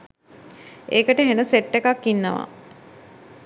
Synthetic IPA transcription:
eːkəʈəɦenəseʈːekakːinːəʋa̰

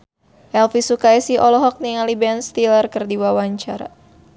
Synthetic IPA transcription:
ʔɛlfisukajsiʔɔlɔɦɔk̚niŋalibɛnst̪ilərkərdiwawaɲt͡ʃaɾa̰

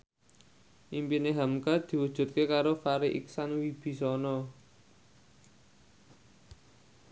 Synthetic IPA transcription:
ʔimpineɦamkad̪̥i̤wud̥ʒ̥ṳt̪̚kekaɾofaɾiʔḭksanwib̥i̤sɔnɔ

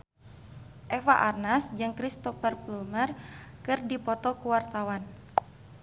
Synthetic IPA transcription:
ʔɛfaʔarnasd͡ʒɨŋkɾist̪ɔfərplumərkɨrdipɔt̪ɔkuwart̪awan

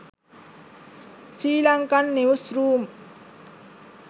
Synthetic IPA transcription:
t͡ʃilaŋkanːeusrum

